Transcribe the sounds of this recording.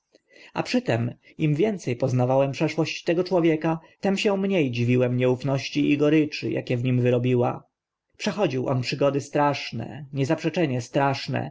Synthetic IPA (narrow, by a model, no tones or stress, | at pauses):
a̰pʂɘt̪ɛm | imvʲjɛnt̪sɛjpɔznavawɛmpʂɛʂwɔɕt͡ɕt̪ɛɡɔt͡ʂwɔvʲjɛkat̪ɛmɕɛ̃mɲejd͡ʑivʲiwɛmɲɛufnɔɕt͡ɕiiɡɔɾɘt͡ʂɘ̰ja̰kʲɛvɲimvɘɾɔbʲiwa̰ | pʂɛxɔd͡ʑiwʔɔ̰npʂɘɡɔd̪ɘst̪ɾaʂnɛ̰ɲɛzapʂɛt͡ʂɛɲɛst̪ɾaʂnɛ̰